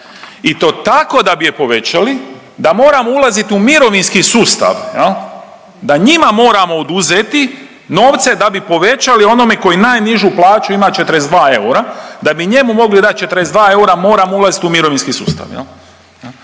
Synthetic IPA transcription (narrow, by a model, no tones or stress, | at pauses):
it̪o̞ːt̪ako̞d̪abije̞po̞ʋe̞t͡ɕali | d̪amo̞ːɾamoulˠazit̪iumiɾo̞ʋinskisuːst̪a̰ʋjel | d̪aɲimamo̞ːɾamo̞ːd̪uzet̪i | no̞ːʋt̪se̞d̪abipo̞ʋe̞t͡ʃalio̞no̞me̞ko̞jinaːjniʒuplˠaːt͡ʃuimat͡ʃet̪əɾezd̪ʋaːe̞uɾad̪abiɲe̞mumo̞ɡlid̪at̪̚t͡ʃe̞t̪əɾezd̪ʋaːe̞uɾamo̞ːɾamoulˠazit̪iumiɾo̞ʋinskisṵːst̪a̰ʋjḛl | jel